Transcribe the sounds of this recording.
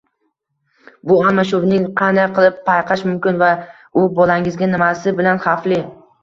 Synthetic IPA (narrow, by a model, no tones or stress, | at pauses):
bʊalˠmaʃ̬ʊvnɪŋqʰɑnd̪ajqʰɨlˠɪpʰːajqʰɑʃmʊmkʲɪnva | ʊbɒlaŋɪzɡʲanɪmasɪbɪlanχɑflɪ